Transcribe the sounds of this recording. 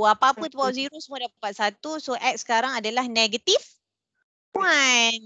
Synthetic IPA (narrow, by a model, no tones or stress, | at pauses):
apaːpət̪əpawziɾosəmuadappat̪̚sat̪usoʔɛk̚sə̥kaɾaŋadalahneɡət̪if | pwan